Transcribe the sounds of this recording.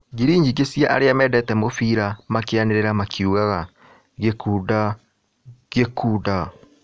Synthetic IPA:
ɡiɾiːɲd͡ʒikesjaʔaɾeamɛdɛtɛmofiːɾamakeaneɾeɾamakʰiuɣaɣa | ɣekuːda | ɡekʰuːda

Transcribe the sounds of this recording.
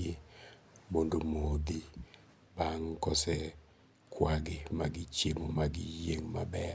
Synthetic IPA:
e | mondomod̪i | baŋkɔsɛ | kwaɡɪmaɡɪt͡ʃemomaɡɪjeŋma̰bɛ

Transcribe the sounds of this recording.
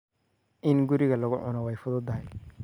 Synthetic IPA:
ʔɪnɡʊɾɪɣɐlɐɣʊ̰ʕʊ̰nɔwɛjfʊðɔd̪ɐɦɛj

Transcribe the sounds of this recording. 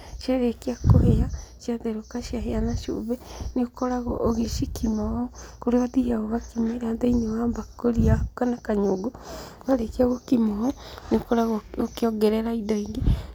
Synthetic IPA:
ʃjaɾekiakoheaʃjaðeɾokaʃjaheanaʃo̰βeneokɔɾaɣɔʔːɣeʃikʰimɔɔkoɾeβaðihaɣoβakimeɾadeinewambakoɾiakanakaɲoɡoβaɾekiaɣokimɔɔneokɔɾaɣookeɔɡɛɾɛɾaidɔiŋɡe

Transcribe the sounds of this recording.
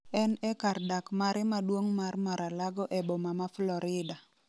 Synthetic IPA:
ɛnɛkardakmaɾɛmadwoŋmarmaɾalaɡɔʔɛbomamaflɔɾɪda

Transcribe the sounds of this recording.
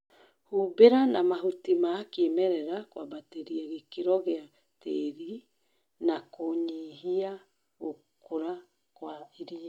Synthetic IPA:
huːbeɾanamaɦutimakemɛɾɛɾakwabateɾiaɣekeɾɔɣea | teɾi | nakoɲiɦia | ɣo | koɾa | kwaeɾia

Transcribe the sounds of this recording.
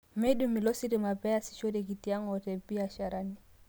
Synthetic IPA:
mɛɗumilɔsiɾimapɛasi̥ʃɔɾɛkitiaŋɔtɛpiaʃaɾani

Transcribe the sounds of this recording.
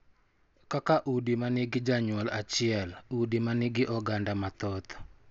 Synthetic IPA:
kakaʔudimanɪɡɪd͡ʒaɲʊwɔlat͡ʃɪɛludimanɪɡɪʔɔɡandamat̪ɔt̪

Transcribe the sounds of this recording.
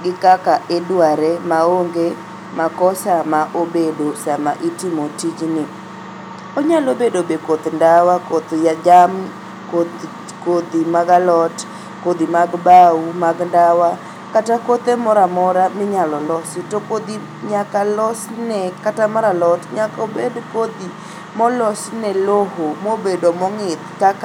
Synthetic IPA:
ɡɪkakaʔedwaɾemaoŋɡe | makɔsamaʔobedosamaʔitɪmotid͡ʒnɪ | oɲalobedobekot̪ndawakot̪jad͡ʒam | k | kod̪imaɡalɔt | kod̪imaɡbaumaɡndawa | katakot̪emɔɾamɔɾamɪɲalɔlɔsitokod̪i | ɲakalɔsnɛkatamaɾalɔtɲakobedkod̪i | mɔlɔsnɛlohomobedomɔŋɪt̪kak

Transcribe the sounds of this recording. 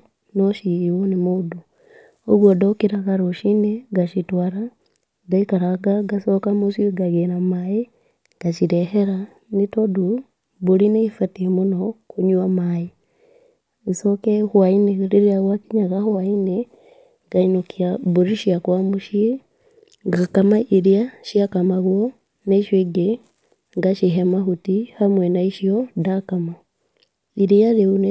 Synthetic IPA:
noʃiwonimudu | oβwodokiɾakaɾoʃineɡaʃitwaɾa | daikaɾaɡaɡasokamusiɡaɣenamaji | ɡ̥at͡ʃiɾeheɾa | nitodu | βulineifatimunokuɲuamaji | isokehuaineɾiɾiaɣwakiɲaɣahuaine | ŋɡ̥ainukiaβuɾiʃiakwamuʃie | ŋɡakamaʔiɾiaʃiakamaɣwo | naiʃweɡe | ŋɡaʃiɦemahutihamwenaiʃiodakama | iɾijaɾeun

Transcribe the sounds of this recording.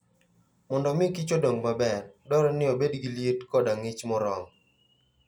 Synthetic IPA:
mɔndɔmɪkɪt͡ʃodɔŋbabɛrdɔɾɔnɪobedɡiljetkɔdaŋɪt͡ʃmɔɾɔŋ

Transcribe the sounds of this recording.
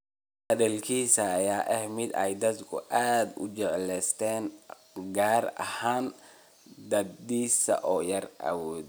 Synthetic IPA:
hɐðɐlkʰiːsɐːjaːʔɛhmɪd̪ɛjd̪ɐd̪kʰʊ̰ʔaːd̪ʊ̰t͡ʃɛʕlɛst̪ʰɛːn | ɡaːrɐ̰haːn | d̪ɐd̪d̪iːsɐ̰ʔɔːjɐrʔɐ̰wɔːd̪

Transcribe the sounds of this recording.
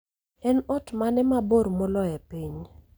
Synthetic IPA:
ɛnɔtmanɛmaboɾmɔlɔjɛpiɲ

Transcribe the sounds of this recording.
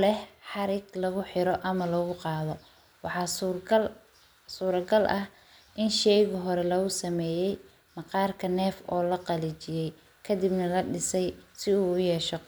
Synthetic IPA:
lɛhħɑɾɪɡlɐɣʊħɪɾɔʔɐmɐlɐɣʊqɑːðɔ | wɑħɑː | suːɾɐɡɐlʔɐh | ʔɪnʃɛjɣʊɦɔɾɛlɐɣʊsɐmɛːjɛj | mɑqɑːrkʰɐnɛːfɔːlɐqɑlit͡ʃɪjɛj | kʰɐd̪ibnɐlɐɖɪsɛjsɪuːʊjɛːʃɔ

